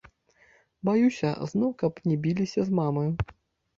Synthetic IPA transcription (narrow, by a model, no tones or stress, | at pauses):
bajusʲɐ̰znɔwkɐpnʲɛbʲilʲisʲɐzmamɨ